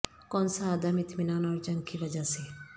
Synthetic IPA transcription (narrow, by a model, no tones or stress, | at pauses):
kɔːnsaːd̪amɪt̪ʰmɪnaːnɔːɾt͡ʃə̃ŋɡkiʋɐd͡ʒase